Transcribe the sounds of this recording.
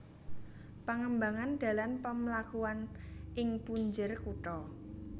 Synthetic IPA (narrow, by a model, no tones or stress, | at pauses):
paŋəmbaŋand̪̥ä̤lanpəmlakuanʔɪŋpuɲd͡ʒərkuʈɔ